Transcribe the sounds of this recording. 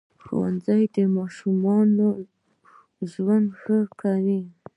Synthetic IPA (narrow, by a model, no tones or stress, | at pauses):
xo̰wa̰nzajd̪əmɑʃumɑno | ʒwand̪xəkawi